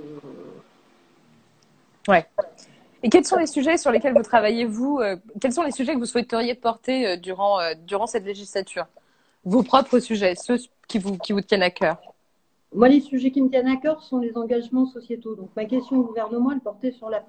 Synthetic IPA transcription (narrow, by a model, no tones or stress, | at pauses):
wɛ | ekʲɛlsɔ̃lesyʒɛsyʁlekʲɛlvut̪χavajevuøkʲɛlsɔ̃lesyʒɛkəvuswɛt̪əʁjepɔʁt̪eød̪yʁɑ̃ød̪yʁɑ̃sɛt̪leʒislat̪ʰyːʁ | vopχɔpχəsyʒɛsø | kʲivukʲivut̪jɛnakʲœːʁ | mwalesyʒɛkʲimət̪jɛnakœʁsɔ̃lezɑ̃ɡaʒmɑ̃sɔsjet̪od̪ɔ̃k̚makʲɛst̪jɔ̃ɡuvɛʁnəmɑ̃ɛlpɔʁt̪esyʁla